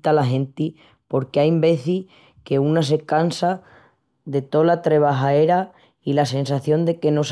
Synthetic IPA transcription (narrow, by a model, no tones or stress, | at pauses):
t̪alaɦẽ̞nt̪i | po̞ɾkeajmbe̞θi | ke̞unas̬e̞kansa | ðe̞t̪o̞lat̪ɾe̞β̞aɦaeɾa | ilase̞ns̬aθjo̞nd̪e̞ke̞no̞s